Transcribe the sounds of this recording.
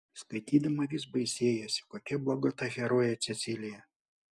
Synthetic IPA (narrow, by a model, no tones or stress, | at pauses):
skɐɪt̪ʲiːd̪ɐmɐʋʲɪs̬bɐɪsʲeːjɛsʲɪ̥koːkʲɛblˠoːɡot̪ɐɣʲɛɾoːjɛt̪sʲɛt̪sʲɪlʲɪjɛ